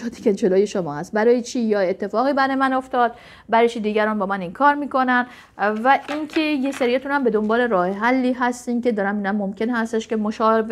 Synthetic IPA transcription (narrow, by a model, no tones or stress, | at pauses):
ɒt̪ʰi̥ked͡ʒeloːjeʃomɒːhæst̪̚bæɾɒːjet͡ʃʰiːjɒːet̪ʰːe̞fɒːɣiːbæɾːjemæno̞ft̪ɒːd̪̚ | bæɾt͡ʃʰid̪iːɟæɾɒːnbɒːmæniŋkʰɒːɾmiːko̞næn | væʔinkʰejeseɾijæt̪ʰunhæmbe̞d̪o̞mbɒːle̞ɾɒːhɦælːiːɦæst̪iːnkʲe̞d̪ɒːɾæmiːnæmːomcʰe̞nhæst̪eʃke̞moʃɒːv